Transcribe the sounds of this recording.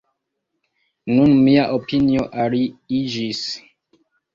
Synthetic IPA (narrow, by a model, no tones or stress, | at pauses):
nunmiaʔopʰinioʔaɾiid͡ʒis